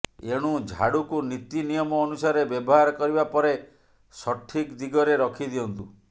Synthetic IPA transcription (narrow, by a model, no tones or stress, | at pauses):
eɽ̃ud͡ʒʱa̰ɽukunit̪inijɔmɔːnusaɾebjɔbɔɦaɾkɔɾibapɔɾe | sɔʈʰikd̪iɡɔɾeɾɔkʰid̪iɔnt̪u